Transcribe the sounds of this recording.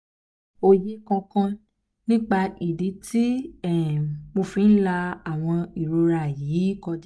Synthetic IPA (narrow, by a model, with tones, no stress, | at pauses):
o˨je˦kã˧kã˧ | nĩ˦k͡pa˧i˨di˨˦tʰi˦ɛ˦˨mo˧fĩ˧˦n̩˦la˧a˨w̃ɔ̃˧i˨ɾo˨˧ɾa˧˨jiː˨˦kɔ˧d͡ʒ